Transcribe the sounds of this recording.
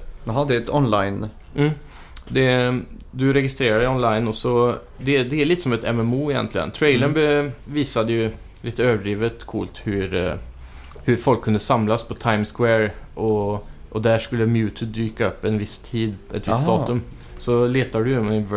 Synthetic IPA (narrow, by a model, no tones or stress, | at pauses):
hd̪ɛt̪ɔnla̰ɪn | m̩ | d̪ɛd̪ɵɾɛɡɪst̪ɾeːɾaɖɛɪɔnlaɪnɔsɔ | d̪ɛd̪ɛæɭiːt̪ə̥sɔmɛt̪ʰɛ̰mɛmuːɪjɛ̰nt̪ʰlɪɡə̰nt̪ʰɾɛɪləɳbɛviːsad̪əjʉ | lɪt̪ːəøːvəɖɾiːvət̪kʰuːlt̪hʉɾ | hʉɾfɔlkʰːʉnd̪əsamlaspʰɔt̪ʰaɪmskwɛːɾʔɔ | ʔɔd̪æʂkɵlːəmjʉːt̪ʰəd̪yːkaœpːɛnʋɪst̪ʰiːd̪ɛt̪ʋɪst̪d̪ɑːt̪ɵm | sɔleːt̪aɖʉjmʋ